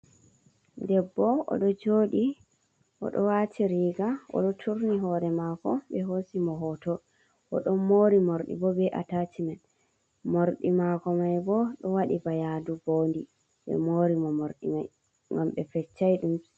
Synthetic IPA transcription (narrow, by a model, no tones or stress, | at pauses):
dɛbːɔɔ̰ɗɔd͡ʒoɗi | ʔɔ̰ɗɔwatʰiɾiɡaɔ̰ɗɔtʰuɾniɦɔɾɛmaːkɔɓɛɦosimɔɦɔtɔ | ʔɔɗɔmːoːɾimoɾɗḭbɔbɛʔatat͡ʃimɛn | moɾɗimakɔmajbɔɗɔwaɗibajaduboːndi | ɓɛ̰moːɾimɔmoɾɗḭmaj | ŋɡamɓɛfɛt͡ʃːajɗum